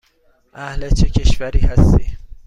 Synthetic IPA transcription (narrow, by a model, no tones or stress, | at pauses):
ʔahlet͡ʃʰecʲʰeʃvæɾiːhæst̪iː